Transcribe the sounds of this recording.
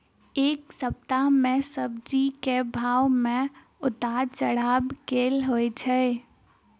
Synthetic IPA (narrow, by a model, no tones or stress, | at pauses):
eːksəp̚t̪amẽsəb̚d͡ʒikebʱaːwmẽ | ʊt̪aːɾt͡ʃəɽaːbkeːlɦoet͡ʃʰɛ